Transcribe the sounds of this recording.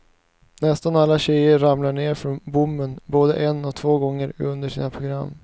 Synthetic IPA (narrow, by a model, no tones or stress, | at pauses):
nɛst̪analːaɕɛjəɾamlaɳeːɾfɾɔnbʊmbənboːd̪əʔɛnɔt̪ʰvoːɡɔŋːəɾɵnd̪əʂḭːnapʰɾʊɡɾa̰mː